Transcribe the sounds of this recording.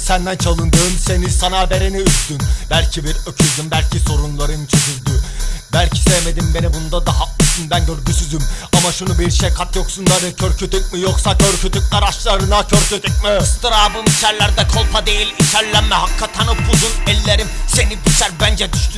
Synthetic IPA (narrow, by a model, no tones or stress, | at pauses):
sænd̪ænt͡ʃʰalˠɯnd̪ɯːmse̞nisanabe̞ɾeniyzd̪ynbælʲcʰibiɾøcʰyzd̪ymbælʲcʰiso̞ɾunlˠaɾɯnt͡ʃʰezyɾd̪ybælʲcʰi̥sejme̞d̪imbe̞nibund̪ad̪aɦaɯsɯnbænɟøɾɟysyzymamaʃunubiɾʃejkʰat̪jo̞ksund̪ad̪ɛcʰøɾcʰyt̪yc̚mijoksacʰøɾcʰyt̪ʰyc̚ʲlʲæɾaʃlˠaɾɯnacʰøɾcyt̪ʰyc̚mist̪ɯɾabɯmit͡ʃʰæɾlʲæɾd̪ɛkʰo̞lˠpʰad̪e̞jilʲit͡ʃʰæɾlʲæmɛhakʰːat̪ʰanɯpʰuzunɛlʲːeɾimse̞nibit͡ʃæɾbænd͡ʒɛd̪yʃt̪ʰy